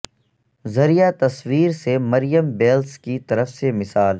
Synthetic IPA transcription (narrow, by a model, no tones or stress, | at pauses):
zɐɾijat̪ɐswiːɾsemɐɾijəmbeːlskit̪ɐɾəfsemɪsaːl